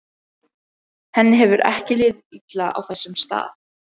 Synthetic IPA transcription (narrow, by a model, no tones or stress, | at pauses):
hɛnːɪɦɛvʏɾʔɛ̰hcɪlɪːðɪit̪laʔa̰wθɛsːʏmst̪a̰ːð